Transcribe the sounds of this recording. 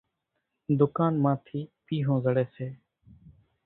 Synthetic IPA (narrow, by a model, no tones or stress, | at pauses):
d̪ʊkaːnmãːt̪ʰiːpiːɦõːzəɽeːseː